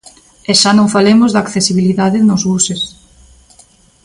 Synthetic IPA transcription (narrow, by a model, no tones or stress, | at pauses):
eʃanõŋfalemʊzðakθesiβ̞iliðaðɪnʊzɣuses